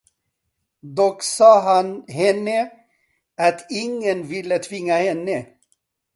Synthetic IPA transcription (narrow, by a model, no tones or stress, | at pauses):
d̪ɔksɑːɦanhɛnːə | at̪ʰɪŋːənvɪlːət̪ʰvɪŋːahɛnːə